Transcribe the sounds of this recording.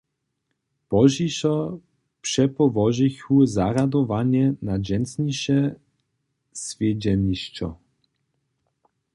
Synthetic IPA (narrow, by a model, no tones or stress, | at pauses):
pɔʒiʃɔ | pʂɛpɔvɔʒiçuzaɾad̪ɔvaɲɛnad͡ʑɛnsɲiʃɛ | svʲjɛd͡ʑɛniʃt͡ʃɔ̰